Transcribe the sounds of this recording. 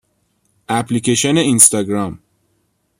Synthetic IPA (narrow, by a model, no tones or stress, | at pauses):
ʔæpʰliceʃoneinst̪ɒɡɾɒm